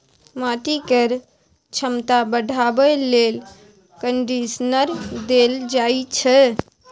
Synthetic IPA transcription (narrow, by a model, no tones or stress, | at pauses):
maʈikəɾ | t͡ʃʰəmt̪abəɖʱabɛlel | kəɳɖisnəɾd̪eld͡ʒajt͡ʃʰɛ